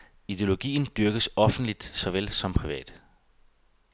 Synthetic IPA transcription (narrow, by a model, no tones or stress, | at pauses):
id̥e̝o̝lo̝ɡ̥ḭːn̩d̥yɐɡ̥əsɒ̽fn̩d̥lid̥sɒ̽ʋelsɒ̽mpʰʁiʋɛ̰ːd̥